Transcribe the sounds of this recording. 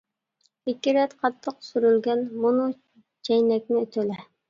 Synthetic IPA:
ikʲːiɾɛt̪qʰɑt̪ʰːəqsyɾylɡʲɛnmunu | t͡ʃʰɛjnɛk̚ʲnɪøt̪ʰølɛ

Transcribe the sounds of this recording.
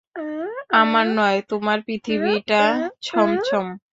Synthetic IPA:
amaɾnɔet̪omaɾpɾit̪ʰibiʈat͡ɕʰɔmt͡ɕʰɔm

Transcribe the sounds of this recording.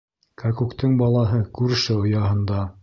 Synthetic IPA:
kɑkukt̪ɤɴbɑlˠɑɦɤkʉɾɘ̆ʃɘŏjɑɦɤ̆nd̪ɑ

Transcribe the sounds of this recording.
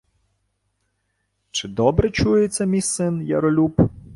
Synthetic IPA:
t͡ʃɪd̪ɔbɾɛt͡ʃujet͡sʲːɐmʲijsɪnjɐ̰ɾɔlʲup

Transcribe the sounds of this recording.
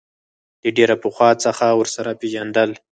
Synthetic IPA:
d̪əɖeɾapuxwɑt͡səxawəɾsaɾapeʒand̪əl

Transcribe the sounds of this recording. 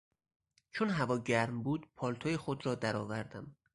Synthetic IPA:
t͡ʃʰonɦævɒːɟæɾmbuːd̪pʰɒːlt̪ʰojexod̪ɾɒːd̪æɾɒːvæɾd̪æm

